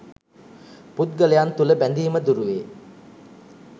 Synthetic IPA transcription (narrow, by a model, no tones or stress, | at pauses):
put̪̚ɡəlejant̪uləbænd̪iːməd̪uɾuʋeː